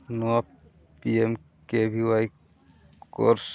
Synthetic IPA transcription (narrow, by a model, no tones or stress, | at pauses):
nua | piem | kebʱiwaj | ko̰ɾs